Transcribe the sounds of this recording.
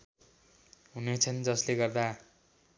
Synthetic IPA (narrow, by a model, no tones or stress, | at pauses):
ɦunet͡sʰʌnd͡zʌsleɡʌrd̪a